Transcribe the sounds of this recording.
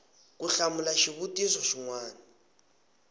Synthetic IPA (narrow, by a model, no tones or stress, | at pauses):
kuɬamʊlaʃiβutʼisɔʃiŋwaːna